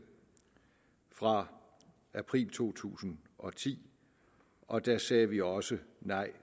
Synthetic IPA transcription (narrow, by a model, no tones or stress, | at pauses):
fʁɑ̈ | æpʰʁḭːlt͡sʰo̝̰ːt͡sʰṵːsn̩ʔɒ̽t͡sʰḭː | ʔɒ̽d̥æsɛːʋiɒ̽sənɑ̈ɪ̰